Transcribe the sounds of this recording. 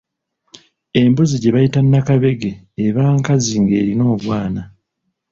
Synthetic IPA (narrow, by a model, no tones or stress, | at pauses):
e̞mbuziɟe̞βajitanːakaβe̞ɡeː | βaːŋkaziŋɡe̞ːɾino̞ːβwaːna